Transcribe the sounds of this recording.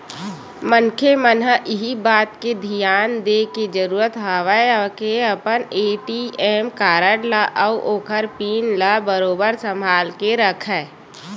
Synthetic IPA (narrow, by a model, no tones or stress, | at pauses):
mənkʰemənɦəʔɪɦibaːt̪ked̪ʱijaːnd̪eːked͡ʒəɾuːɾət̪ɦaːʋəeəkeəpəneːʈieːmkaːɾəɽlaʔəuʔoːkʰəɾpiːnlabəɾoːbəɾsə̃mbʱaːlkeɾəkʰɛː